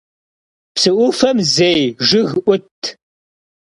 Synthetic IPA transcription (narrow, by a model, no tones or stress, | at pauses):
psɨʔʷʊfɐmzejʒɨɣʔʷʊtʰ